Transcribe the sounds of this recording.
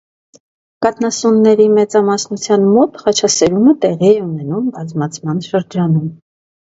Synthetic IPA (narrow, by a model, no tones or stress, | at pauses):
kɑt̪nɑsunːɛɾimɛt͡sɑmɑsnut͡sʰjɑnmɔt̪χɑt͡ʃʰɑsɛɾumət̪ɛʁiɛunɛnumbɑzmɑt͡sʰmɑnʃəɾd͡ʒɑnum